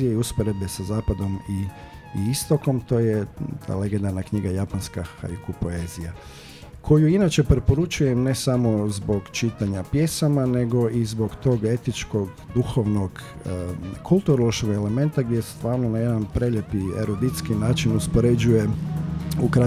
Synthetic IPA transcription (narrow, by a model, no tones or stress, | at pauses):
ijeiuspoɾe̞be̞sazaːpad̪o̞mi | ist̪o̞ko̞mt̪o̞ːjet̪ʰa̰ːle̞ɡend̪anakɲiɡajapanskaxa̰jukupoe̞zija | kʰo̞juinat͡ʃe̞pɾepo̞ɾut͡ʃuje̞mne̞samo̞zbo̞ɡt͡ʃit̪aɲapje̞samane̞ɡo̞ʔizbo̞ɡt̪o̞ːɡe̞t̪it͡ʃko̞ɡ | d̪uxoʋno̞ɡ | kʰulˠt̪uɾolˠoʃkoɡe̞le̞me̞nt̪aɡd̪jese̥st̪ʋaːɾnonaje̞d̪anpɾelʎje̞piḛɾod̪it̪skinaːt͡ʃinuspo̞ɾe̞d͡ʒuje̞ | ukɾa